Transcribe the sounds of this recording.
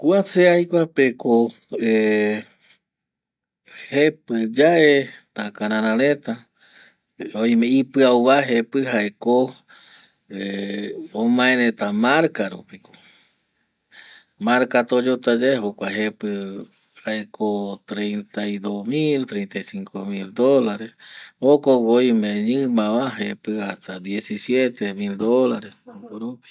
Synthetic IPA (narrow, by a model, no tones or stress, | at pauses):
kuaseajkʷapeko | e | hepɨd͡ʒaʔet̪akãɾãɾ̃ãɾẽt̪a | õj̃mẽipɨawβaɦepɨɦaeko | e | õmãẽɾẽt̪amaɾkaɾṵpiko̥ | mãɾkat̪od͡ʒot̪ad͡ʒaeɦokʷaɦepɨ | haekot̪ɾejnt̪ajd̪osmilt̪ɾejnt̪ajsiŋkomild̪olaɾesokoɡojĩmẽɲɨ̃mãβaɦepɨast̪ad̪jesisjet̪emild̪olaɾesoɾupi̥